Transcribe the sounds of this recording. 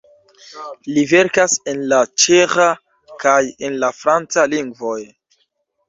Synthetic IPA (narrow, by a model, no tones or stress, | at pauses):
live̞ɾkase̞nlat͡ʃeχa | kaje̞nlafɾant͡saliŋɡvo̞j